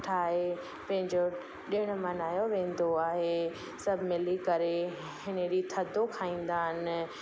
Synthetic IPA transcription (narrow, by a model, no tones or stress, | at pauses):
ʈʰaːɦe | pɐ̃ɦɪ̃ɲd͡ʑo | ɗiəɽ̃ʊmɐnaːjoʋẽːn̆d̪oaːɦe | sɐbʱɪmɪlikɐɾe | hɪneɗit̪ʰɐd̪ʱokʰaːĩːn̆d̪aːɦɪnɪ̆